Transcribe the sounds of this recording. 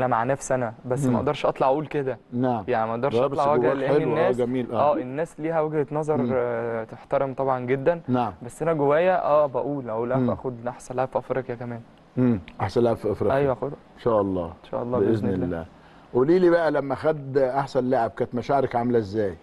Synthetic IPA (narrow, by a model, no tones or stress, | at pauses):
ʔænæmaʕnæfsʔænæbæs̬ːmæʔɑʔd̪ɑɾˤʃʔɑt̪ˤlɑʕʔuːlked̪ænaʕmjaʕnimæʔɑʔd̪ɑɾblɑʕwæɡhælʔeelːenːæːɡæmiːlʔæʔæːʔenːæːsliːhæweɡhet̪nɑzˤɑɾˤt̪eħt̪ɑɾemt̪ˤɑbʕɑnɡed̪ːænnaʕmbæsːʔænæɡowæːjːæʔæːbæʔuːlʔæulʔæʔæ̰ːxod̪ʔaħsælːæfiʔɑfɾiqjækæmæːn | emʔaħsænlːhæbfiʔɑfɾɑʔæjwæxod̪enʃæːʔɑlˤːɑ̰ːenʃæ̰ːʔɑlˤːɑːezneːæːæ̰ː | ʔuːliːliːbæʔælæmːæxæd̪ʔaħsænleʕeb̚kænet̪mæʃaʕɾækʕamlæʔezːæːj